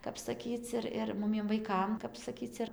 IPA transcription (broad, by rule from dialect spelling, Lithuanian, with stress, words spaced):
ˈkɐp sɐˈkʲiːt͡s ɪr ˈɪr ˈmʊmʲiɛm ʋɐɪˈkɐm kɐp sɐˈkʲiːt͡s ɪr